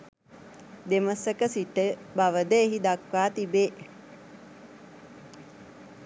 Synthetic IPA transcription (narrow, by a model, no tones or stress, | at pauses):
d̪eməsəkəsiʈəbaʋəd̪əeɦid̪akʋaːt̪ibeː